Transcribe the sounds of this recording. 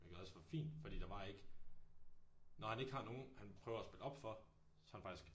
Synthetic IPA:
jɡ̥eðˠɒsfɒfḭːnd̥fɒd̥ḭːd̥ɑ̈ʋɑ̈e̝ɡ̥ | nɒhæne̝ɡ̥hɑ̈no̝ːn̩hænpʰʁœːʊɐæsb̥e̝lɒ̽b̥fɒ̽ | sɒhænfɑ̈ɡ̥i̥sɡ̥

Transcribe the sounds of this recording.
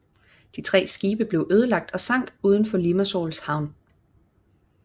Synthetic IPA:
d̥it͡sʰʁɛ̰ːsɡ̥iːb̥əb̥le̝ʊʔøːð̞ˠəlɑ̈ɡ̥̚d̥ɒ̽sɑ̈ŋ̰d̥uːð̞ˠən̩fɒ̽limæso̰ːlshɑ̈ʊ̰n

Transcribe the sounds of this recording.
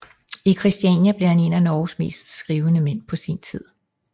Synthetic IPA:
ikʰʁisd̥iɛnjæb̥le̝ɐhæne̝nænɒːsme̝̰ːsd̥sɡ̥ʁiːʊənəmen̰pʰɒ̽sint͡sʰið̰ˠ

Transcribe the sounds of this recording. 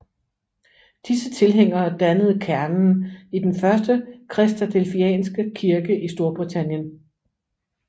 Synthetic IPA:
d̥isət͡sʰe̝lɦeŋ̰ɐːd̥ænəð̞̩ˠkʰæɐnn̩id̥enfɶɐsd̥əkʰʁɛsd̥ʰæd̥ʰelfiɛ̰ːnsɡ̥əkʰiɐɡ̥əʔisd̥o̝ɐb̥ʁit͡sʰænjən

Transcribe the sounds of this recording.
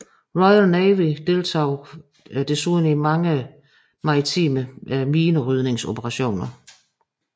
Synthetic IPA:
ʁɒɪɐneɪʋid̥e̝lt͡sʰɑ̰ʊ | d̥e̝suðˠn̩imɑ̈ŋə | mɑ̈ʁit͡sʰḭːməmiːnəʁyð̞ˠne̝ŋso̝pʰəʁɑ̈ɕo̝̰ːnɐ

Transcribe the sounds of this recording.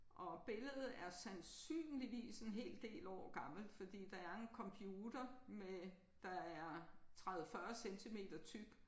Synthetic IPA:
ʔɒ̽b̥e̝ləð̩ˠæɐsænsy̰ːnliʋḭːse̝nɦe̝̰ːld̥e̝̰ːlɒ̰ːɡ̥ɑ̈ml̩̥fɒ̽d̥ḭːd̥ɑ̈æɐe̝nkʰɒ̽mpʰjuːd̥ɐme | d̥ɑ̈æɐt͡sʰʁaðˠəfɶːɐsent͡sʰime̝̰ːd̥ɐt͡sʰyb̥

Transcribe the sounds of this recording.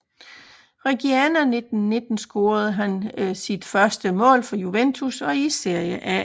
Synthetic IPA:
ʁɛɡ̥iænæne̝d̥n̩ːe̝d̥n̩sɡ̥o̝ːɐð̞̩ˠɦænsid̥fɶɐsd̥əmɔ̰̽ːlfɒ̽juʋent͡sʰusɒ̽ise̝ɐ̰jəʔæ

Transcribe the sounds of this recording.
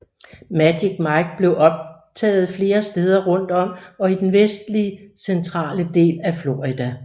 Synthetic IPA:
mæd̥iɡ̥̚mɑɡ̥̚b̥le̝ʊʔɒ̽b̥̚t͡sʰɛ̰ːð̞̩ˠfle̝ːɐsd̥eːð̞ˠɐʁɔ̽n̰d̥ɒ̽m̰ɒ̽id̥enʋesd̥liəsent͡sʰʁɑ̰̈ːləd̥e̝̰ːlæflo̝ːʁid̥æ

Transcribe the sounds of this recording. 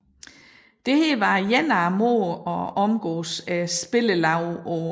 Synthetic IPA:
d̥e̝heʋɑ̈jænɑmo̰ɒɒ̽mɡ̥ɔ̰ːsæsb̥e̝ləlɑ̈ʊɒ

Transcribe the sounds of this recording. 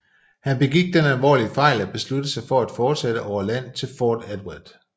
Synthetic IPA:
hænb̥e̝ɡ̥iɡ̥̚d̥enælʋɒ̰ːliəfɑ̈ɪ̰læb̥e̝slud̥əsɑ̈ɪfɒ̽æd̥fɒːd̥sed̥əʔɒʊ̰ɐlæn̰t͡sʰe̝lfɒːd̥ed̥wæd̥ˠ

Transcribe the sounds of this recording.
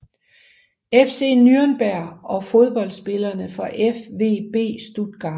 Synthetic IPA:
efse̝ːnyɐnb̥æɐ̰ɒ̽fo̝ð̞ˠb̥ɒ̽l̰d̥sb̥e̝lɐnəfɒʔefʋe̝̰ːb̥e̝̰ːsd̥ud̥ɡ̥ɑ̈

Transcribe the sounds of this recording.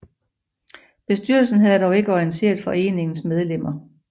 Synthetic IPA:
b̥e̝sd̥yɐ̰l̩sn̩ɦæðˠd̥ɒʊe̝ɡ̥əɒiənt͡sʰe̝̰ːɐd̥ˠfɒ̽e̝̰ːne̝ŋn̩smeð̞ˠlem̰ɐ

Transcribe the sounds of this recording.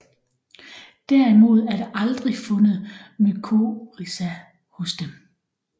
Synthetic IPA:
d̥æɐ̰imo̝ð̞̰ˠæɐd̥eʔɑ̈ld̥ʁifɔ̽nəð̩ˠmykʰo̝ʁisæ | hɔ̽sd̥em

